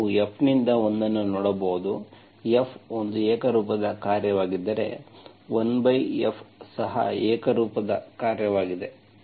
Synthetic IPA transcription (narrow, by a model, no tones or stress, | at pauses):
uepʰnind̪ɐo̞nd̪ɐnːunɔːɽɐboɣud̪u | jepʰond̪uɛːkɐɾuːpɐd̪ɐkaːɾjɐʋaːɡid̪ːɐɾe̞̰ | ʋonbɐjepʰsɐɦɐ̰ɛːkɐɾuːpɐd̪ɐkaːɾjɐʋaːɡid̪e̞